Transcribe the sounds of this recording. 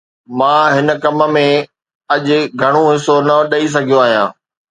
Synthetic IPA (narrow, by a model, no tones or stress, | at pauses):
mãːɦɪnə̆kɐməmẽ | ɐʄʊɡʱɐɽ̃oɦɪsonɐɗɐis̬ɐɡʱijoaːɦijãː